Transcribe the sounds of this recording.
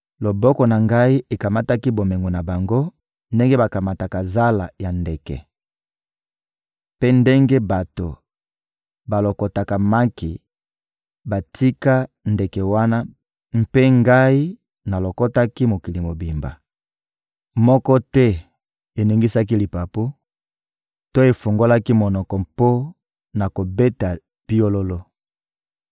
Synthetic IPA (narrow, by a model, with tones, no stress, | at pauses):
lo˨bɔ˦kɔ˨na˨ŋɡa˦i˦e˨ka˨ma˦ta˦ki˦bo˨me˨ŋɡo˨na˨ba˨ŋɡo˦ | nde˦ŋɡe˦ba˨ka˨ma˨ta˨ka˨za˦la̰˨ja˨nde˨kɛ̰˨ | pe˦nde˦ŋɡe˦ba˨to˨ | ba˨lo˨ko˨ta˨ka˨ma˦ki˨ | ba˨ti˦ka˦ | nde˨kɛ˨wa˦na˦ | m̩˦pe˦ŋɡa˦i˦ | na˨lo˨ko˦ta˦ki˦mo˨ki˨li˨mo˨bi˨mba̰˨ | mɔ˦kɔ˦tɛ˦ | e˨ni˨ŋɡi˦sa˦k̬i˦li˨pa˨po˦ | to˦e˨fo˨ŋɡo˦la˦ki˦mo˨nɔ˨kɔ˨mpo˦ | na˨ko˨be˦ta˨ | pi˦o˦lo˦lo˦